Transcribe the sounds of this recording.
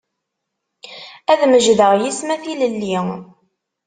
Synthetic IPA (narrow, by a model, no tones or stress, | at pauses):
æðməʒðəʁjismæθiləlːi